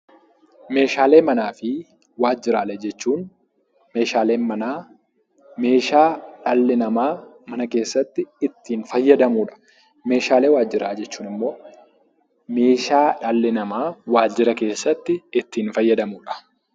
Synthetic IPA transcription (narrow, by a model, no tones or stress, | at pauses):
me̞ːʃaːle̞ːmɐnaːfɪ | waːd͡ʒːɪɾaːlɛd͡ʒɛt͡ʃːuːn | me̞ːʃaːle̞ːnmɐnaː | me̞ːʃaːᶑɐlːɪnɐmaː | mɐnɐke̞ːsːɐt̪ːɪɪt̪ːiːnfɐjːɐd̪ɐmuːᶑɐ̥ | me̞ːʃaːle̞ːwaːd͡ʒːɪɾaːd͡ʒɛt͡ʃːuːnɪmːo̞ː | me̞ːʃaːᶑɐlːɪnɐmaːwaːd͡ʒɪɾɐke̞ːsːɐt̪ːɪɪt̪ːiːnfɐjːɐd̪ɐmuːᶑɐ̥